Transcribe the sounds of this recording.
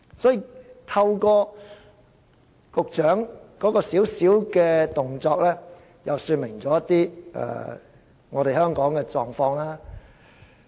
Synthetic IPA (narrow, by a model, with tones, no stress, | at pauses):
sɔː˨˥jiː˨˧t̪ʰɐ˧wkɔː˧ | kʊ˨k̚t͡ʃœː˨˥ŋkɔː˨˥kɔː˧siː˨˥wsiː˨˥wkɛː˧t̪ʊ˨ŋt͡sɔː˧k̚lɛː˥ | jɐ˨wsyː˧nmɪ˨˩ŋt͡sɔː˨˦jɐ˥t̪iː˥ɛ̰ː˨ | ŋɔː˨˧ɾe˨hœː˥ŋkɔː˨˥ŋkɛː˧t͡sɔː˨ŋfɔː˧ŋlaː˥